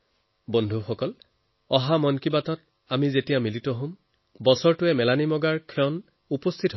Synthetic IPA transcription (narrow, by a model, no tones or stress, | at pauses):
bondʱuxɔkɔl | ɔɦamɔnkibatɔt | amizetijamilitɔɦõm | bɔsɔɹtʊɛmɛlanimɔɡaɹkʰɔn | upost̪ʰitɦo